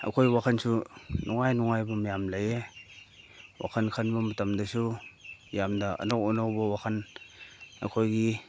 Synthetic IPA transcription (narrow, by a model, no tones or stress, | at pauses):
a̰kʰojwakʰansunuŋajnuŋajbɐmajamlaje | wa̰kʰankʰanbɐmɐtamdɐsujamdaʔə̰nokonawbɐwakʰan | a̰kʰojɡi